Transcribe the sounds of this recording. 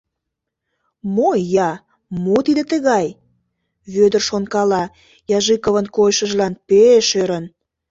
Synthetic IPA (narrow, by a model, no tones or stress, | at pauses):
mojɑ | mot̪id̪ĕt̪əɣɑj | βød̪ərʃonkɑlɑ | jɑʒɨkəβənkojʃəʒlɑnpeʃøɾən